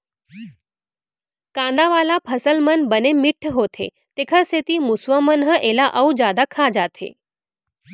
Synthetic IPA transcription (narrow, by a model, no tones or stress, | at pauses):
kãnd̪aʋalapʰəsəlmənbənemɪʈʰːɦot̪ʰḛ | t̪ekʰãset̪imusʋamənɦəʔelaʔəud͡ʒad̪akʰad͡ʒat̪ʰḛ